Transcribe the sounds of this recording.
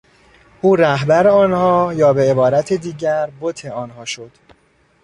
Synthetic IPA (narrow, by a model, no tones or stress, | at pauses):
ʔuːɾæɦbæɾeɒːnhɒːjɒːbe̞ebɒːɾæt̪ʰed̪iːɟæɾbot̪ʰe̞ɒːnɦɒːʃo̞d̪̥